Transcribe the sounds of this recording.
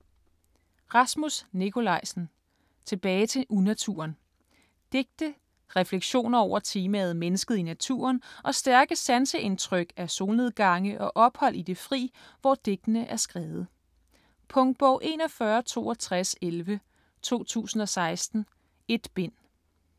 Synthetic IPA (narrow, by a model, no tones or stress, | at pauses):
ʁɑ̈smusnikʰo̝lɑ̈ɪ̰sn̩ | t͡sʰe̝b̥ɛːɪt͡sʰe̝ʔunæt͡sʰṵɐn | d̥e̝ɡ̥̚d̥ə | ʁɛfleɡ̥ɕo̝̰ːnɐɒʊ̰ɐt͡sʰiːmæð̞̩ˠmenəsɡ̥əð̞̩ˠinæt͡sʰṵːɐnʔɒ̽sd̥æɐɡ̥əsænsəʔe̝nt͡sʰʁœɡ̥æso̝ːne̝ðˠɡ̥ɑ̈ŋəʔɒ̽ʔɒ̽b̥hɒ̽l̰ʔid̥e̝fʁḭː | ʋɒd̥e̝ɡ̥̚d̥ənəʔæɐsɡ̥ʁɛːð̞̩ˠ | pʰɔ̽ŋd̥̚b̥ɒʊ̰ʔe̝̰ːnɒ̽fɶːɐt͡sʰo̝̰ːɒ̽t͡sʰʁaselʋə | t͡sʰo̝̰ːt͡sʰṵːsn̩ɒ̽sɑ̈ɪsd̥n̩ | e̝d̥b̥en̰